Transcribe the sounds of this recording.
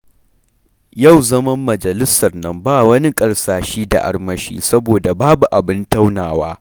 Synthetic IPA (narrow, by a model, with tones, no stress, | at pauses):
jɐ˦˨wzɐ˦mɐ˦mːɐ˨d͡ʒɐ˨lɪ˦sɐ˨rnɐ˦mbaː˦˨wɐ˦ni˦kʼɐ˨ɽsaː˨ʃiː˦da̰˨ʔa̰˦rmɐ˦ʃḭː˦sɐ˦boː˨da˨baː˦bu˨ʔa˨bɪ˦nta˦wnaː˨waː˦